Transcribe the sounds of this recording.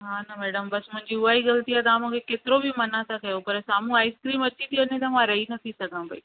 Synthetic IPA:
ɦaːnɐmɛːɖəmbɐsmʊ̃ɦɪ̃ɲd͡ʑiuaːiɣɐlt̪iaːt̪ãːmũːkʰekeːt̪ɪɾobɪmɐnãt̪ʰakɐjopɐɾsaːm̤ũaːɪskɾiːmɐt͡ɕit̪ʰionẽt̪ɐmãɾɐɦinɐt̪ʰisɐɡʱãbʱɐi

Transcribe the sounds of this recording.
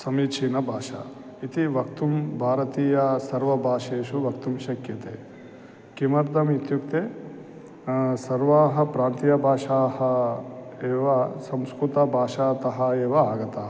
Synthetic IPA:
sɐmiːt͡ʃʰiːnɐbʱaːʃa̰ | it̪iʋɐk̚t̪umbʱaːɾɐt̪iːjɐsɐɾʋɐbʱaːʃeːʃuʋɐk̚t̪umʃɐkjɐt̪eː | kimɐɾd̪ʱɐmit̪jukt̪eː | sɐɾʋaːɦɐ̆pɾaːnt̪ijɐbʱaːʃaːhɐ | eːʋɐsɐ̃mskɾut̪ɐbʱaːʃaːt̪ɐɦɐeːʋɐaːɡɐt̪aː

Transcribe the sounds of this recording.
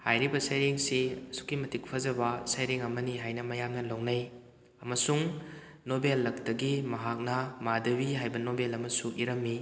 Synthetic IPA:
hajɾibɐsajɾeŋsiɐsu̥kːimɐtik̚pʰɐzɐbɐsajɾeŋɐmɐniɦajnɐmɐjamnɐlownɐj | ɐmɐsuŋ | nobelːɐk̚tɐɡimɐɦak̚nɐmadɐbiɦajbɐnobelɐmɐsuʔiɾɐmːi

